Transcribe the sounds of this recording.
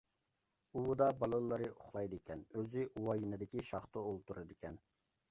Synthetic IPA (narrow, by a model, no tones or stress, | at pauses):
uwd̪ɑbɑlˠɨllˠːɨɾɨoχlˠɑjd̪ɨkʲʰɛnøzɪʔuwɑjinɨd̪ɪkʲiʃɑχt̪ɨolˠt̪uɾɨd̪ɪkʲʰɛn